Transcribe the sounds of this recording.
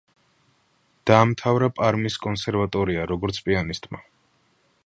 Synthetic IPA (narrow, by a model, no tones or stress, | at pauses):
d̪̥aːmt̪ʰavɾapʼaɾmiskʼɔnsɛɾvat̪ʼɔɾiaɾɔɡɔɾt̪sʰpʼianist̪ʼma